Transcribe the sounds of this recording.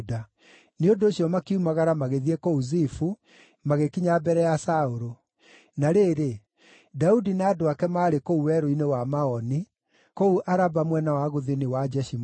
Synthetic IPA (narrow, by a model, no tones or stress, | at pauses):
da | neondoːɕjɔmakiumaɣaɾamaɣeðiekouzifu | maɣekiɲabɛɾɛjasaoɾo | naɾeːɾe | daudinaːdoakɛmaːɾekouwɛɾoinewamaɔni | kouʔaɾabamwɛnawaɣoðiniwad͡ʒɛʃim